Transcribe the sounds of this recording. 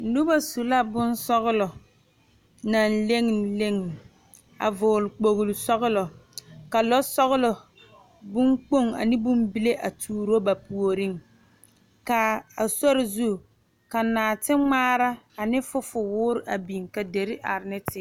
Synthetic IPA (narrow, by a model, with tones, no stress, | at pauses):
nu˦ba˦su˨la˦bʊ˦nsɔ˦ɣʊ˦lɔ˨ | na˨nle˦ŋ˨le˦ŋ˨ | a̰˨vʊ˨lʊ˨k͡po˨ɣʊ˨lʊ˨sɔ˦ɣʊ˦lɔ˨ka˨lɔ˦sɔ˦ɣʊ˦lɔ˨ | bʊ˦ŋk͡po˦ŋa̰˨nɪ˦bʊ˦mbi˦le˦ʔa˨tʰuː˨ɾo˦ba˨pu˨o˨ɾɪ˦ŋ | ka˨a˨sɔ˦ɾɪ˨zu˦ | ka˨naː˨tɪ˦ŋ͡maː˦ɾa˦ | a˨nɪ˦fʊ˦fʊ˨wʊː˦ɾɪ˨ʔa˨bi˨ŋka˨de˨ɾɪ˦ʔa˨ɾɪ˨˦nɪ˦tʰɪ˦